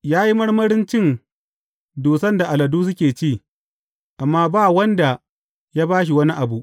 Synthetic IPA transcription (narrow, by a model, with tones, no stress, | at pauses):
jaː˦ji˦mɐ˦ɽmɐ˦ɽɪ˦nt͡ʃɪ˦˨n | duː˨sɐ˦nda˨ʔa˨lɐ˨duː˦s̬ʊ˦kʲeː˨t͡ʃiː˦˨ | ʔa˨mːaː˦baː˦˨wɐ˦nda˨ | jaː˦baː˦ʃ̬i˨wɐ˦ni˦ʔa˨bu˨ʔ